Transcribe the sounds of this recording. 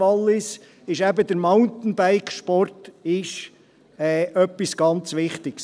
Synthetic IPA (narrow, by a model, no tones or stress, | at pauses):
ɑlːɪs | ɪʃæbəd̪əɾmaʊntn̩bæɪkʃpɔrtɪʃ | ɛːʔœpːisɡ̥ɑnt͡sʋɪχtɪɡs